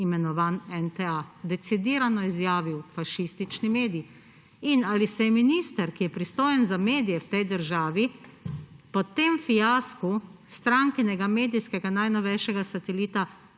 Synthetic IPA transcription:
imɛnɔʋaːnɛnt̪ɛad̪ɛt̪sid̪iːɾanɔizjaːʋiwfaʃist̪it͡ʃnimeːd̪iji | inalisɛjɛminist̪ɐɾkijɛpɾist̪oːjɛnzameːd̪ijɛwt̪ɛjd̪əɾʒaːʋi | pɔt̪emfijaːskust̪ɾaŋkɛnɛɡameːd̪ijskɛɡanajnɔʋɛjʃɛɡasat̪ɛliːt̪a

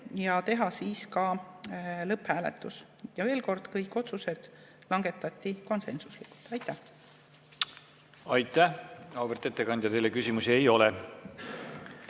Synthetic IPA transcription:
jɑt̪e̞ɦɑsiːskɑ | lɤpːhæːlḛt̪ˑːus | jɑve̞ːlko̞rd̪̥kɤjkːˑo̞t̪suse̞d̪̥ | lɑŋɡ̥e̞t̪ːˑɑt̪ʲːˑiko̞nse̞nsuslikːu̥lt̪ɑjt̪ːˑæh | ɑjt̪ːˑæɑwbert̪e̞t̪ːekɑnd̪̥ʲjɑt̪e̞jlekysimusie̞jo̞lɛ

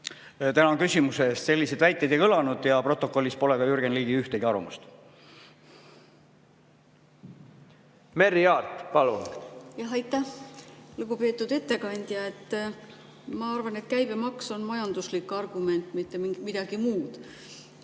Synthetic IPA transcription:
t̪ænɑkysʲimuseːst̪se̞lʲːised̪̥væjt̪ːˑejd̪ekɤlɑnud̪̥jɑpro̞t̪ːˑo̞ko̞lːispo̞le̞ɡ̥ɑyrɡ̥enliːɡiyht̪eɡiɑɾṵmust̪ | meɾiɑːt̪pɑlunjɑɦɑjt̪ːˑæhluɡupe̞ːt̪ːˑud̪e̞t̪ːe̞kɑnʲd̪̥ʲjɑe̞t̪ːˑ | mɑɑrvɑne̞t̪kæjb̥e̞mɑkso̞nmɑjɑnd̪̥uslikːɑrɡ̥ume̞nt̪ːˑmit̪ːe̞miŋɡmid̪̥ɑɡ̥imuːd̪̥

